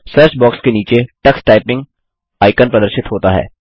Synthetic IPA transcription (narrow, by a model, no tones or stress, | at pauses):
sɐɾsbɔːkskeniːt͡ʃeʈɐksʈaːɪpɪ̃ŋɡ̚ | aːɪkənpɾɐd̪əɾʃɪt̪ɦoːt̪aɦɛ̰ː